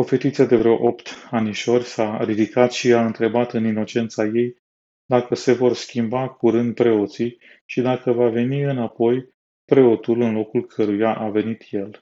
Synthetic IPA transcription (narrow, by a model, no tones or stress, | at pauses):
o̞fe̞t̪it̪sad̪e̞vɾeoʔopt̪aniʃo̞rʲsaɾid̪ikat̪ʃiaɨnt̪ɾe̞bat̪ɨnino̞t͡ʃe̞nt̪saje̞j | d̪akəse̞vo̞rskʲimbakuɾɨnd̪̚pɾe̞o̞t̪si | ʃid̪akəvave̞niɨnapo̞j | pɾe̞o̞t̪ulɨnlo̞kulkʰəɾujaʔave̞nit̪je̞l